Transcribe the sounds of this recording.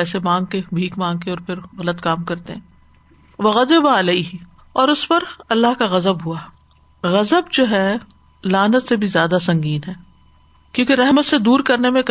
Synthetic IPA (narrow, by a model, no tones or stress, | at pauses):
ɛːsemãːŋɡ̚kebʱiːkmãːŋɡ̚keɔːɾpʰɪɾɣɐlət̪kaːmkɐɾt̪eɦɛ̃ː | ʋɐɣɐzɪbaɪleːɦɪ | ɔːɾʊspɐɾɐlːaɦkaɣɐzəbɦua | ɣɐzəbd͡ʒoːɦɛ | laːnət̪sebʱizjaːd̪asɐ̃ŋɡiːnɦɛː | kjõːkeɾɛɦmət̪sed̪uːɾkɐɾnemẽk